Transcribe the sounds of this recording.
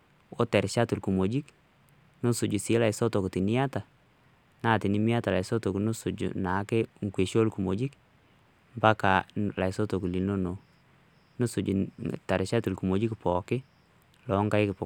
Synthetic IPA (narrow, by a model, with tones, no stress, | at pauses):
o˦tɛ˨ɾɪʃa˦tu˨lku˨mo˨d͡ʒi˦k | no˦sʊ˨d͡ʒu˨sɪ˦la˨ɪsɔ˦tɔ˨kti˨nɪ˦a˦ta˨ | na˦˨ti˨ni˦mi˦a˦ta˨la˨ɪsɔ˦to˨knʊ˦sʊ˨d͡ʒṵ˨na˨˦kɛ˦ŋ˨kwe˨ʃo˦lku˨mo˨d͡ʒi˦k | mba˦ka˨la˨ɪsɔ˦to˨ku˨li˨no˦no˨ | no˦su˨d͡ʒu˨tɛ˨ɾɪʃa˦tu˨lku˨mo˨d͡ʒi˦kpɔ˨kɪ˦ | lɔ˨˦ŋka˦ɪ˦kɪpɔ˨